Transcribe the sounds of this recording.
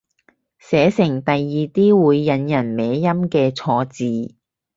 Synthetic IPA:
sɛː˨˥sɪ˨˩ŋt̪ɐ˨jːiː˨t̪iː˥wuː˨˧jːɐ˨˧njɐ˨˩nmɛː˨˥jɐ˥mkɛː˧t͡sʰɔː˧t͡siː˨

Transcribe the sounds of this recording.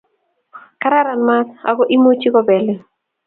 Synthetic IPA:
ka˦ɾa˦ɾa˨nma˦sa̰˨ɡɔ˦ʔi˦mo˦t͡ʃi˦kɔ˦bɛ˨le˦

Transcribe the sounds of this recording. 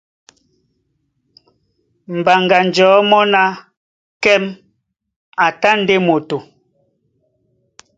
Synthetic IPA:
m̩˨ba˨ŋɡa˨n˨d͡ʒɔː˨˦mɔ˦na˦ | kɛ˦m | a˨ta˦n̩˦de˦mo˨to˨

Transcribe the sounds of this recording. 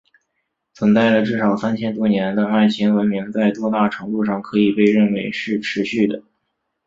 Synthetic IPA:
t͡sʰə˧˥nt͡sa˥˩ɪlə˩ʈ͡ʂɻ̩˥˩ʂɑ˨˩ʊsa˥nt͡ɕʰjɛ˥nt̪wɔ˥njɛ˧˥nd̪ə˧ma˥˩ɪɕi˧˥ŋwə˧˥nmi˧˥ŋt͡sa˥˩ɪt̪wɔ˥t̪a˥˩ʈ͡ʂʰɤ˧˥ŋt̪u˥˧ʂɑ˥˩ŋkʰɤ˧˥i˨˩pe˥˧ɪɻə˥˩nwe˧˥ɪʂɻ̩˥˩ʈ͡ʂʰɻ̩˧˥ɕy˥˩d̪ə˩

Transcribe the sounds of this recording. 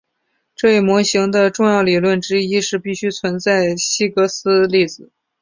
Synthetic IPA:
ʈ͡ʂɤ˥˧i˥˩mwɔ˧˥ɕi˧˥ŋd̪ə˧ʈ͡ʂʊ˥˧ŋjɑ˥˩ʊli˨˩lwə˥˩nʈ͡ʂɻ̩˥i˥ʂɻ̩˥˧pi˥˩ɕy˥t͡sʰwə˧˥nt͡sa˥˩ɪɕi˥kɤ˧˥sɹ̩˥li˥˩d͡zɹ̩˨˩

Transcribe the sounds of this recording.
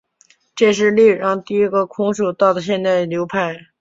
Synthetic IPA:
ʈ͡ʂe˥˧ʂ̬ɻ̩˥˧li˥˩˨ɻɑ˥˧ŋt̪i˥˩i˥ɡə˧kʰʊ˧˥ŋʂu˨˩t̪ɑ˥˩ʊd̪ə˩ɕ̬jɛ˥˧nt͡s̪a˥˩ɪljo˧˥ʊpʰa˥˩ɪ

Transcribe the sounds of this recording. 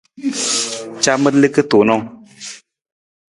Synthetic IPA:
t͡ʃa˦mə˦lɨ˦kɨ˦to˨nɔ˦˨

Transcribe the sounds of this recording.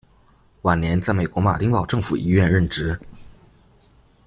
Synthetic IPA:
wa˨˩nnjɛ˧˥nt͡sa˥˩ɪme˨˩ɪkwɔ˧˥ma̰˨˩t̪i˥ŋpɑ˨˩ʊʈ͡ʂɤ˥˩ŋfu˨˩i˧˥ɥɛ˥˧nɻə˥˩nʈ͡ʂɻ̩˧˥

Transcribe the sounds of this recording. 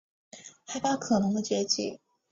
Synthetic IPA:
xa˧˥ɪpa˥kʰɤ˨˩nɤ˧˥ŋd̪ə˧t͡ɕɥɛ˧˥t͡ɕḭ˨˩˦

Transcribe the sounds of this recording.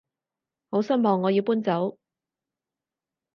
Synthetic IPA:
ho˨˥wsɐ˥nmɔː˨ŋːɔː˨˧jiː˨˧wpuː˥nt͡sɐ˨˥w

